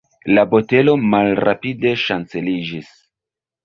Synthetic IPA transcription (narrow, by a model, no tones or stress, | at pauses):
labo̞te̞lo̞malɾapide̞ʃant͡se̞lid͡ʒis